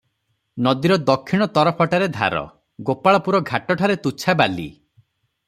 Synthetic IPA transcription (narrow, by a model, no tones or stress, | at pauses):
nɔd̪iɾɔd̪ɔkʰːiɽ̃ɔt̪ɔɾɔpʰɔʈaɾed̪ʱa̰ɾɔ̰ | ɡopaɭɔpuɾɔɡʱaʈɔʈʰaɾet̪ut͡ʃʰabalḭ